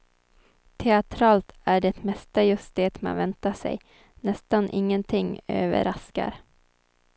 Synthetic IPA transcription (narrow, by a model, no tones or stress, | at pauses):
t̪ʰɛat̪ʰɾɑːlt̪æɖɛt̪mɛst̪ajɵst̪̚d̪eːt̪ma̰nvɛnt̪aʂɛ̰j | nɛst̪anʔɪŋːənt̪ʰɪŋːø̰ːvə̰ɾaska̰ɾ